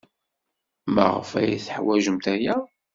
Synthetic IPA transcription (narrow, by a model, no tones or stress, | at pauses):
mə̰ʁə̰fæ̰jiθəħwæʒəmt̪æjæ